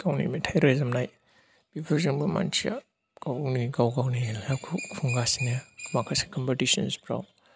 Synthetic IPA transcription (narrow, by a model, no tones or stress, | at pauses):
kawnḭmetʰajɾajzamnaj | b̥ibʰaɾziŋbɯma̰nt͡ʃʰia̰ | ɡ̥awniɡawɡawnilakʰupʰuŋɡasinamakʰase̥kɔmpetisɔnspɾa̰w